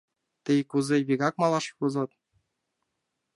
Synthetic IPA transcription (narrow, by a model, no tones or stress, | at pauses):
t̪ɘjkuzeβʲiɣɑk̚mɑlˠɑʃkuzɤ̆t̪̚